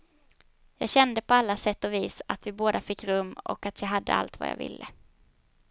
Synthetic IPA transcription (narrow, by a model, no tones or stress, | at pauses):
jɑːɡɕɛnd̪əpʰɔalːasɛt̪ːɔviːsat̪vɪboːd̪afɪkːɾɵmːɔ̰kat̪ʰjɑːɦad̪ːə̰a̰lt̪va̰ja̰ːvɪ̰lːə